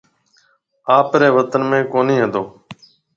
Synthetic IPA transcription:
aːpɾeːʋət̪ənmẽːkoːnĩːɦəd̪oː

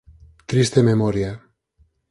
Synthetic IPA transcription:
t̪ɾist̪ememɔɾja

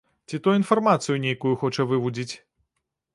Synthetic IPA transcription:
t͡sʲit̪ɔjinfɐrmat̪sɨjunʲejkujuxɔt͡ʂɐvɨvud͡zʲit͡sʲ

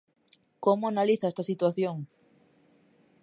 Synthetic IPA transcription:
komoanaliθaɛst̪asit̪waθjoŋ

